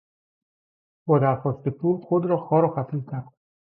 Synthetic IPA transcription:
bɒːd̪æɾxɒːst̪e̞pʰulxod̪ɾɒːxɒːɾɒːxæfizcʲʰæɾd̪̥

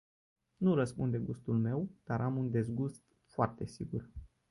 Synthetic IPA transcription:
nuɾəspund̪e̞ɡust̪ulme̞wd̪̥aɾʔamund̪e̞zɡust̪ | foart̪e̞siɡur

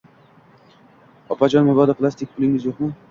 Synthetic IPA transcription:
ɒpad͡ʒɒnmʊbɒd̪apʰɨlˠast̪ik̚ʲpʰʊlɪŋɪzjoqmʊ

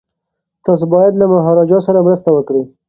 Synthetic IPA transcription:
t̪ɑs̬obɑjad̪lamaɦɑɾɑd͡ʒɑsaɾamɾəst̪awəkɽi

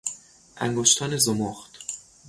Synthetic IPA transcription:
ʔæ̰ŋɡoʃt̪ʰɒːnezomoχt̪

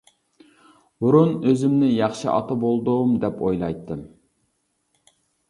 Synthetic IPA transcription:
buɾunøzymnɪjɑχʃɨʔɑ̰t̪ɑbolˠd̪umd̪ɛpʰojlˠɑjt̪ːɨm

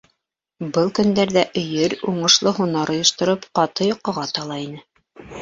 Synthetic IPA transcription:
bɤlˠkɵ̆nd̪æɾðæʔɵ̆jɘɾuɴɤ̆ʃlˠɤɦunɑɾŏjŏʃt̪ŏɾɤpqɑt̪ɤjoqːɤ̆ʁɑt̪ɑlˠɑinɘ

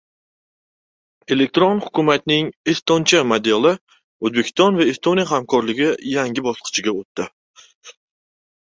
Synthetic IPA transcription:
e̞lek̚ʲt̪ɾonhʊkʰʲʊmat̪nɪŋest̪ont͡ʃʰamad̪elˠɪ | ozbekʲʰɪ̥st̪ɒnvaest̪onijaɦamkʰɒɾlɪɡʲɪjaŋɡʲɪbɒsqʰɨ̥t͡ʃʰɪɡʲaot̪ːɪ

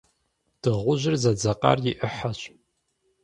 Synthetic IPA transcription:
d̥ɨʁʷʊʑɪrzɐd͡zɐqa̰rjɪʔəħaɕʼ

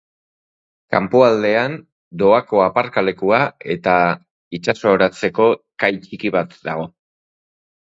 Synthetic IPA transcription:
ka̰mpoald̪e̞an | d̪o̞ako̞apaɾkale̞kuae̞t̪a | it͡ʃaso̞ːɾat͡se̞ko̞kajt͡ʃikiβ̞at̪d̪aɣ̞o̞

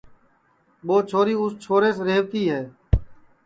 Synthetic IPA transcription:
ɓoːt͡ʃʰoːɾiːʊst͡ʃʰoːɾeːsɾeːʋt̪iːɦɛː

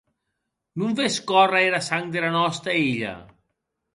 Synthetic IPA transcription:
nuɱfeskɔraeɾasaŋd̪elanɔst̪eiʎɐ̰

